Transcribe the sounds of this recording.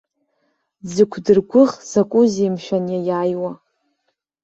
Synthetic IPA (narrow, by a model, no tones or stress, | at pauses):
d͡zɨkʷʰdɨrɡʷʊχz̥akʷʼʊzemʃᶣanjajaːjwa